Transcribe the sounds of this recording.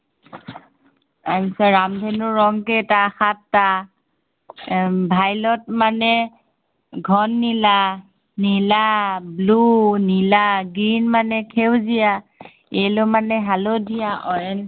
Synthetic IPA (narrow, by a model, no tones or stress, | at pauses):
aɦisaɹamdʱɛnʊɹɔŋkɛtaxatːa | bʱajlɔt̚manɛ | ɡʱɔnːila | nilablunilaɡɹinmanɛkʰewzija | elomanɛɦalodʱijaʔɔjɛn